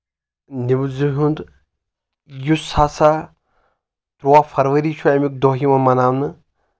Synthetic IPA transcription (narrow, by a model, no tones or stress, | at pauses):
nibzuɦund̪ | jusaːsa | t̪ɾuafʰɐɾʋəɾiːt͡ʃʰuɛmik̚d̪oːɦimɐmɐnaːwnɨ